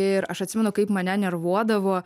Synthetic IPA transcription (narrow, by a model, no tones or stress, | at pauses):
ɪɾɐʃɐt̪ʲsʲɪmʲɛnʊkɐɪpmɐnʲɛnʲɛrʋuɔd̪ɐʋoː